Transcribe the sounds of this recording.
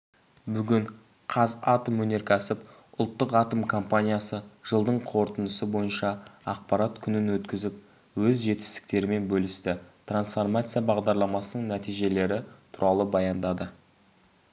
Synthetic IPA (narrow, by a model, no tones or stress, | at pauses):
bʏɡʲɪɴ | qʰɑzɑt̪əmwɵne̞ɾkʲʰæsɪp | ʊlˠt̪ːəqɑt̪əmkʰompanʲijasəʒ̥əlˠd̪əɴqʰo̞ɾt̪ənəsəbo̞jənʃɑɑ̰q̚pɑɾat̪kʲʰʏnɪnwɵt̪kʲɪzɪp | wɵzʒe̞t̪ɪ̥st̪ɪ̥k̚t̪e̞ɾɪme̞nbɵlɪst̪ɪt̪ransfo̞rmat̪sɨjabɑʁd̪ɑɾlˠɑmɑsənəɴnæt̪ijʒe̞le̞ɾɪt̪ʰʊɾɑlˠəbɑjɑnd̪ɑd̪ə